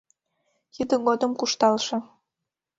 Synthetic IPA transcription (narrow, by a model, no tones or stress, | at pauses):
jyd̪ə̆ɣod̪əmkuʃt̪ɑlʃɤ̆